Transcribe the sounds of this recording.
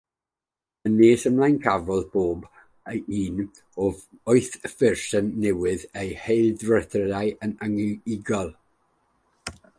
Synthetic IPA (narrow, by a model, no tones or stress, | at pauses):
əneːsəmlˠajnkʰavɔðb̥oːb | əiːn | ɔɔɨθfɪrsənːɛwɨðejhejlˠdrəθrədajʔənəŋlɪɡɔlˠ